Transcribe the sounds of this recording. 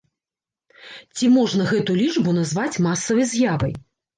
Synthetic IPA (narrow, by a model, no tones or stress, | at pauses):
t͡sʲimɔʐnɐɣɛt̪ulʲit͡ʂbunɐzvat͡sʲmasːɐvɐjzʲjavɐj